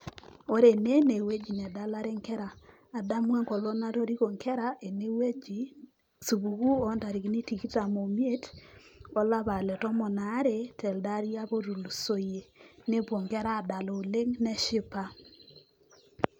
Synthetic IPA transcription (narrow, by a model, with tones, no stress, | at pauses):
o˦ɾe˨ne˦ne˨we˦d͡ʒi˨nɛ˨da˦la˦ɾe˦ŋkɛ˦ɾaː˨ | da˦mwe˦ŋko˨lo˦na˦to˦ɾi˦ko˨ŋkɛ˦ɾa˨ʔe˨ne˦we˦d͡ʒi˨ | su˨βu˨ku˦ɔ˨˦nda˨ɾi˨ki˨ni˦ti˨ki˦ta˨mo˨mje˦t | ɔ˦la˦βa˨lɛ˨tɔ˦mɔ˨na˨˦ɾe˦tɛ˨lda˦ɾi˦a˦βo˦ɾu˨lu˨so˨je˨ne˦bwo˨ŋkɛ˦ɾaː˦˨da˨lo˨u˨le˦ŋnɛ˦ʃɪ˦pa˦